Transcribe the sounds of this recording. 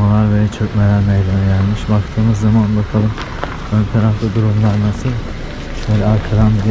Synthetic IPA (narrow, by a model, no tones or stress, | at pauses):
alˠaɾvet͡ʃʰøcmelʲæɾmejlʲemɛɟælʲmiʃbak̚t̪ʰɯːmɯzːamanbakʰalˠɯm | ønʲp̪ʰeɾanlˠɯd̪uɾumlˠaɾnasilʲ | ʃvelʲaɾkʰaɾand̪i